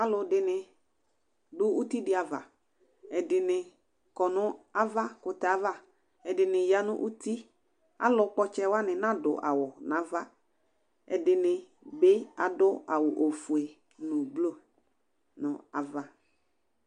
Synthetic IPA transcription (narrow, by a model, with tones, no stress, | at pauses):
a˦lʊ˨dɪ˨nɪ˨ | dʊ˦u˦ti˦dɪ˨a˨va̰˨ | ɛ˨dɪ˨nɪ˨ | kɔ˨nʊ̃˦a˦va˦kʊ˨ta˨a˦va˦ | ɛ˨dɪ˨nɪ˨ja˦nʊ̰̃˦ʔu˦t̪i˦ | a̰˨lʊ˨k͡pɔ˦t͡ʃɛ˦wa˦nɪ̃˨nã˦dʊ̰˨ʔa̰˨wʊ˨nã˨˦va˦ | ɛ̰˨dɪ˨nɪ˨ | bɪ˦a˨dʊ˦a˨wʊ˨ʔo˨fu˨e˨ | nʊ̃˨blo˦˨ | nʊ̃˨a˨va˦